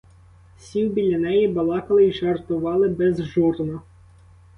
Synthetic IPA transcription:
sʲiwbʲilʲːɐnɛjibɐlˠɑkɐlˠɪiʒert̪ʊʋɑlˠɪbɛzʒurnɐ

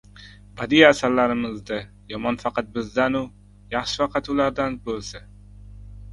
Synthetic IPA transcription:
bad̪ijasaɾlaɾɪmɪzd̪a | jɒmɒnfɑqʰɑt̪̚bɪzd̪anʊ | jɑχʃɪfɑqʰɑt̪ʊlaɾd̪anbolˠsa

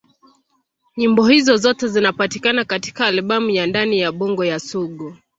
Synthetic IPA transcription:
ɲimbɔhizɔzɔtɛzinapatikanakati̥kaːlɓamujandanijaɓɔŋɡɔjasuɠu

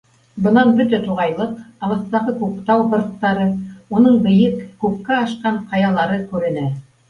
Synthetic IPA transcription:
bɤ̆nɑnbɘ̆ɾd̪æt̪uʁɑjlˠɤqɑβɤ̆st̪ɑʁɤkʉkt̪ɑwbɤ̆ɾt̪ːɑɾɤunɤɴbɘ̆jɘkːʉp̚kæɑʃqɑɴqɑjɑlˠɑɾɤkʉɾɘ̆næ

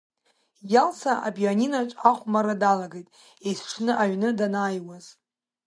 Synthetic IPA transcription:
jalsʰaʔa̰bjaninaʈ͡ʂʷʼaχʷmaɾadalaɡejtʼ | ejsʈ͡ʂʷʰnɨʔaɥnɨdanaːjwaz̥

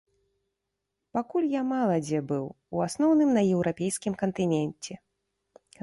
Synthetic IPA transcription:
pakulʲjamalˠɐd͡zʲɛbɨw | uasnɔwnɨmnɐjɛwɾʔapʲɛjskʲimkɐnt̪ɨnʲɛnʲt͡sʲɛ

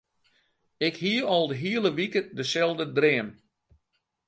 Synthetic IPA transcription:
ɪkhiəɔlˠdəɦiələʋikədəsɛlˠdədrɪːəm

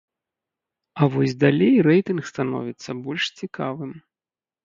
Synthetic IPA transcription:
ɐvɔsʲd̪alʲejɾɛjt̪ɨnxst̪anɔ̰vʲit̪sːɐbɔlʲʂt͡sʲikavɨm

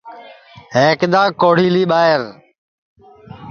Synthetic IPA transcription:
ɦeːkd̪aːkoːɽ̤iːliːɓaːɦɪɾ

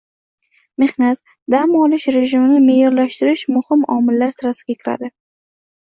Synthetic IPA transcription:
me̞hnat̪ | d̪amɒlɪʃɾe̞ʒɪmɪnɪme̞jɒɾlaʃt̪ɪɾɪʃmʊhɪmɒmɪlːaɾsɪɾasɪɡʲakʲʰɪɾa̰d̪ɪ

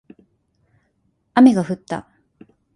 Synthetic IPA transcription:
ame̞ɡaɸɯ̟t̪ːa̰

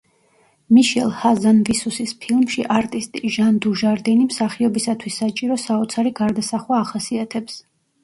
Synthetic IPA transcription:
miʃɛlˠhazanvisusispʰilˠmʃiʔaɾt̪ʼist̪ʼiʒand̪uʒaɾd̪ɛnimsaχiɔbisat̪ʰwisːat͡ʃʼiɾɔsaɔt̪sʰaɾiɡaɾd̪asaχwaːχasiat̪ʰɛps

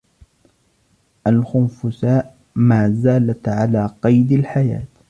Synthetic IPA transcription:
ʔalxʊnfʊsaːʔ | maːzaːlat̪ʕalaːqɑjd̪alħaja̰ːt̪

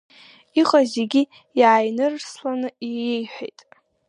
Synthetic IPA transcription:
iqʼazeɡʲi | jaːjnɨrslanɨiejħʷᶣḛjtʼ

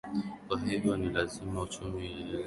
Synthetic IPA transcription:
aɦebonilazimaut͡ʃumi

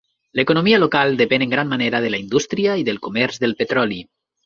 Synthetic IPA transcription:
lekonomialokalˠd̪epeneŋɡɾanmːaneɾaðəlaind̪ust̪ɾiaiðəlˠkumɛɾzðəlˠpet̪ɾɔli

